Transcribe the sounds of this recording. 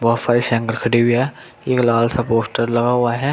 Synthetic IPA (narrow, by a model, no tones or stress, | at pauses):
bɐsaːɾiʃɛ̃ŋɡəɾkʰɐɽiɦʊiɦɛ | eːklaːlsapoːsʈəɾlɐɡaɦʊaɦɛː